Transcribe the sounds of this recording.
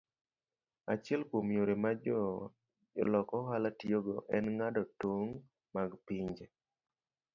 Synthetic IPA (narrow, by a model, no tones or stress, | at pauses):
at͡ʃɪɛlkomjoɾemad͡ʒ | lɔkɔɦalatioɡɔʔɛnŋadɔtoŋ | maɡpiɲd͡ʒe